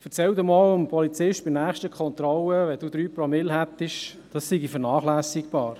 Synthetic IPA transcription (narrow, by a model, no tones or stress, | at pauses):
fəɾt͡sɛld̪uːmɔːləmpʰɔlit͡sɪʃt̚b̥ɪnæːχtəkʰχɔnt̪ɾɔləʋɛd̥uːd̪ɾyːpɾɔmɪlɦæt̪ːɪʃ | d̥ɑsːiɡifəɾnɑːχlæːsɪkb̥ɑːɾ